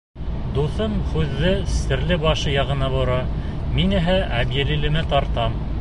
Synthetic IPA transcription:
d̪uθɤmhʉðːɘsɘ̆ɾlɘbɑʃɤjɑʁɤ̆nɑβŏɾɑ | minɘ̆ɦæʔæbjɘ̆lilɘ̆mɘt̪ɑɾt̪ɑm

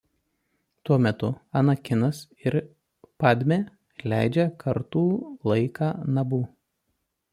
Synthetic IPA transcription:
t̪uɔmʲɛt̪ʊɐnɐkʲɪnɐs | ɪɾ | pɑːd̪ʲmʲeː | lʲæˑɪd͡ʒʲɛkʰɐɾt̪uːlˠɐɪkɑːnɐbuː

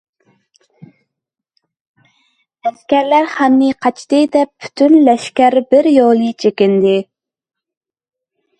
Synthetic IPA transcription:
ɛskʲæɾlæɾχæmnɪqʰɑt͡ʃʰt̪ɨd̪ɛppʰːy̥t̪ʰynlɛʃkʲæɾbɪɾjolˠɨt͡ʃʰekʲɪnd̪ɪ

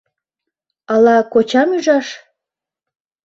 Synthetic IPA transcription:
ɑlɑkot͡ɕɑmyʒɑʃ

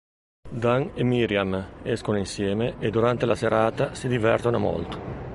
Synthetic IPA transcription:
d̪aŋemiɾjamɛskonoinsjɛːmeʔed̪uɾant̪elaseɾaːt̪asid̪ivɛrt̪onomɔ̰lt̪o̥

